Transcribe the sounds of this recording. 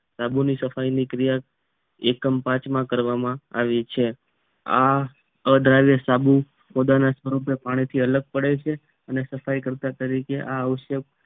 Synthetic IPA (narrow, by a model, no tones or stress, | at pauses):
sabunisəfajnikɾijak | ḛkəmpãt͡ʃmãkəɾʋamãa̰ʋit͡ʃʰe | a | əd̪ɾajʋjəsabu | pod̪anasʋəɾupepaɽ̃it̪ʰiələɡ̚pəɽet͡ʃʰe | ənesəfajkəɾt̪at̪əɾikeʔaəʋʃək